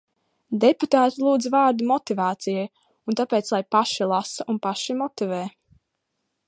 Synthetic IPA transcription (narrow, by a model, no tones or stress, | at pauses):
d̪eput̪aːt̪ilˠuːd̪zvɑːɾd̪umɔt̪ivaːt̪sijaj | unt̪apɛːt̪slˠajpaʃilˠasaʔunpaʃimɔt̪ivɛː